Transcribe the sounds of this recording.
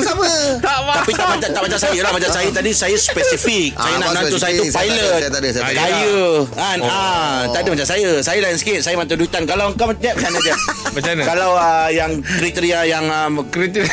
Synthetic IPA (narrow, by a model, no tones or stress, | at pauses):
sabət̪apit̪aʔmat͡ʃat̪aʔmat͡ʃãsajəlahmat͡ʃasajət̪adisajəspɛsifik̚sajananãnt̪usajəupajlət̪t̪adəssajəanat̪adəmat͡ʃãŋsajəsajəlajansə̥kɪt̪̚sajəmant̪uduit̪ankalawŋkamaɲamat͡ʃanə̃d͡ʒamat͡ʃanəkalawəjaŋkɾit̪əɾiajaŋəmkɾit̪